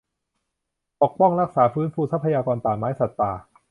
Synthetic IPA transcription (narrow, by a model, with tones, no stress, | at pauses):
p̪o˨˩k̚pɔ˥˩ŋɾa˦˥k̚saː˩˦fɯː˦˥nfuː˧sa˦˥pʰːa˧jaː˧kɔː˧nt̪aː˨˩maː˦˥jsa˨˩t̪ːaː˨˩